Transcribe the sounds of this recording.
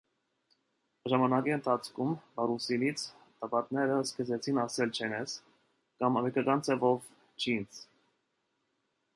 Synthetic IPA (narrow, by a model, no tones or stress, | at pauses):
ʒɑmɑnɑkiənt̪ʰɑt͡sʰkʰumbɑɾusinit͡sʰ | t̪ɑpɑt̪̚nɛɾəskəzɛt͡sʰinɑsɛlt͡ʃʰɛnɛs | kɑmɾɛkɑkɑnt͡sʰɛvɔv | t͡ʃʰint͡sʰ